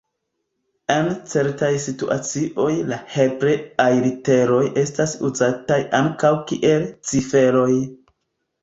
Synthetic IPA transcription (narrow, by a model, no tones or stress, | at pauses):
ent͡se̞ɾtajsitṵʔa̰t͡siʔo̞jlahepɾeajɾite̞ɾo̞jʔe̞stasuzatajaŋkawkḭʔe̞lt͡sife̞ɾo̞j